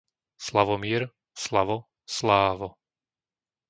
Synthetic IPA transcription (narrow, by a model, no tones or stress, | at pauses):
slaʋɔmɪɛɾ | slaʋɔ | slaːʋɔ